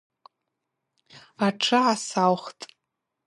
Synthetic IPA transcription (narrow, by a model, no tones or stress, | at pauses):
aʈ͡ʂʰɨʕasawχtʼ